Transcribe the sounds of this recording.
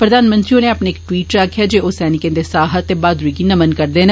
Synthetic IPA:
pɾəd̪aːnmə̃nt̪ɾioneapneːɪkʈwiːʈɾaːkʰːjaːd͡ʒeːoːsɛːnɪkẽːnd̪esaːɦət̪ːebaːd̪ɾuiːkinəmənkəɾd̪eːn

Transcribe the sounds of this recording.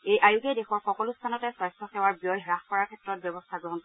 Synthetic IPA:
ejʔajukedexɔɹxɔkɔlustʰanɔtɛswajstʰɔxɛwaɹbijɔjɦɹaxkɔɹaɹkʰɛtɹɔt̚bjɛbɔstʰaɡɹɔɦɔnp

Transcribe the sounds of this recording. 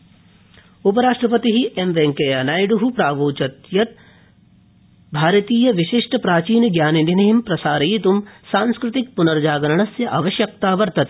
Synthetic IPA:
upɐɾaːʂʈɾɐpɐt̪iɦiʔemʋeŋkeɐnaːjɖuɦupɾaːʋoːt͡ʃɐt̪jɐt̪̚ | bʱaːɾɐt̪iːjɐʋɪʃɪʂʈʰpɾaːt͡ʃiːnɡjaːnind̪inɐɦimpɾɐsaːɾɐjit̪umsãːnskɾɪt̪ik̚pʊnɐɾd͡ʒaːɡɐɾɐɳ̃ɐsjɐʔɐʋɐʃjɐk̚t̪aːʋɐɾt̪ɐt̪

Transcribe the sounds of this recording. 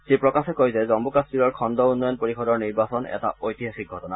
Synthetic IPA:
zipɹɔkasɛkojzɛzɔmbukaspiɹɔɹkʰɔndɔunːɔjɔnpoɹixɔdɔɹniɹbasɔnɛ̰ta̰ojt̪iɦaxik̚ɡʱɔtɔna

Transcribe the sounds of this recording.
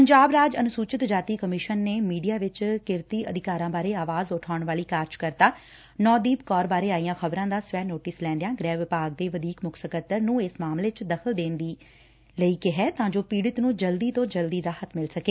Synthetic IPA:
pəɲd͡ʒaːbɾaːd͡ʒənʊsuːt͡ʃɪt̪d͡ʒaːt̪iːkəmɪʃənːeːmiːɖijaːʋɪt͡ʃkɪɾt̪iːʔəd̪ɪkaːɾãːbaːɾeːaːʋaːzʊʈʰaːʊɳʋaːliːkaːɾd͡ʒkəɾt̪aː | nɔːd̪iːbkɔːɾbaːɾeːaːijãːxʰəbɾãːd̪aːsʋɛːnoːʈɪslɛ̃ːnd̪ejãːɡɾɛːʋːɪpaːɡ̚d̪eːʋəd̪iːkmʊksəkət̪ːəɾnũːɪsmaːmleːt͡ʃd̪əkʰəld̪ẽːnd̪iː | ləiːkɪɦɛːt̪ãːd͡ʒoːpiːɽɪt̪nũːd͡ʒəld̪iːt̪õːd͡ʒəld̪iːɾaːhət̪mɪlsəkeː

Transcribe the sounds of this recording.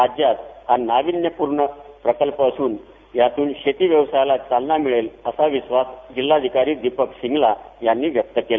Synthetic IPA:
ad͡ʑjat̪̚hanaʋinjəpuɾɳəpɾəkəlpəsuːn | jat̪uːnɕet̪iːʋjəʋsajlat͡salnamiɭeləsaʋisʋasd͡ʑilːad̪ʱikaɾiːd̪ipəkɕiŋɡlajanːiːʋjək̚t̪əkela

